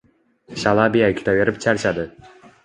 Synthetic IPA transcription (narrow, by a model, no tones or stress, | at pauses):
ɕalˠɑbijakʰʲi̥t̪ʰaveɾɪp̚t͡ʃʰaɾt͡ʃad̪ɪ